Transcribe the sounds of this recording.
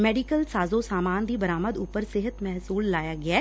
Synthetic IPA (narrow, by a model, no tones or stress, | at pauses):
meːɖikəlsaːzosaːmaːnd̪iːbɐɾaːməd̪uːpəɾsɪɦət̪mɛɦsuːlːaːjaːɡɪaː